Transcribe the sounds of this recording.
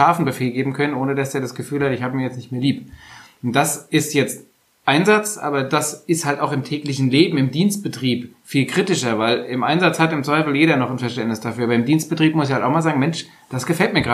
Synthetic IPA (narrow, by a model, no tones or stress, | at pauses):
aːfn̩bəfeːlɡeːbm̩kʰœnənʔoːnədasd̥eːɐdasɡ̥əfyːlhatɪçhaːbəmiːɐjɛt͡stnɪçt̚meːɐliːp | ʊnt̚d̥asɪstjɛt͡st | ʔaɪnzat͡sʔa̰ːbɐdasɪsthaltaʊxɪmtʰɛːklɪçn̩leːbm̩ɪmdiːnst̚b̥ətʁ̥iːpfiːlkʁ̥itɪʃɐvaɪlɪmʔa̰ɪnzat͡shatɪmt͡svaɪfl̩jeːɾɐnɔχn̩fɛɐʃtɛntnɪsd̥afyːɐabɐɪmdiːnst̚b̥ətʁ̥iːp̚mʊsɪçhaltʔaʊxmaːlzaːɡŋ̩mɛnʃ | d̥asɡ̥əfɛltmiːɐɡʁaː